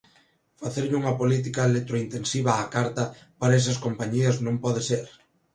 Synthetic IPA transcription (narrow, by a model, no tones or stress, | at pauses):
faθeɾʎuŋɐpolit̪̬ikɐelet̪ɾoint̪ensiβɐːkaɾt̪ɐpaɾɐes̬ɐskompaɲiɐznõmpɔð̞eseɾ